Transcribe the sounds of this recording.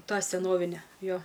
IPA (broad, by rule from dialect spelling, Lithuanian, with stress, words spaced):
ˈtɑː sʲɛˈnoːʋʲɪnʲɛ ˈjoː